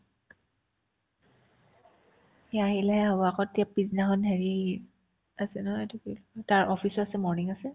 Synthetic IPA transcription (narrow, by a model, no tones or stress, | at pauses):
jaɦilɛɦɛɦɔbɔakɔtjapɹiznaɦɔnɦeɹi | asɛnɔɦɔtupiltaɹʔɔfʰisɔasɛmɔɹniŋasɛ